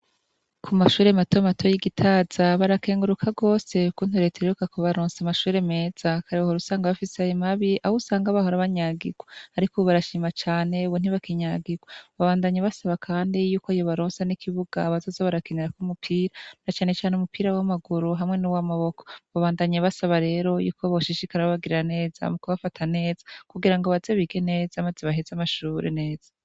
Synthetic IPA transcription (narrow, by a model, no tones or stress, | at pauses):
kʰumaʃuːɾe̞matomatʰojiɡitʰaːz̥aβaɾake̞ːŋɡuɾukʰaɡo̞ːse̞kun̥uɾe̞tʰeɾeukakoβaɾoːnsamaʃuːɾe̞me̞ːz̥akaɾewhoɾusaːŋɡaβafiseajomaβiʔahusaːŋɡaβahoɾaβaɲaːɡiɡwaaɾikoβaɾaʃiːmat͡ʃaːne̞uβun̥iβakiɲaɡiɡwaβaβaːndaɲaβasaβakʰaːndijuːkoajoβaɾoːnsanikʰiβuɡ̥a̰βazozoβaɾakeneɾakumupʰiːɾanat͡ʃaːne̞t͡ʃaːneumupiːɾawamaɡuɾuɦamŋe̞nuwamaβo̞koβaβaːndaɲaβasaβaɾe̞ːɾo̞jṵːkoβoʃiʃikaɾaoβaɡiɾiɾane̞ːza̰mukoβafatʰane̞ːz̥ḁkuɡiɾaŋɡo̞βazeβiɡene̞ːzamaziβaɦezamaʃuːɾḛne̞ːz̥ḁ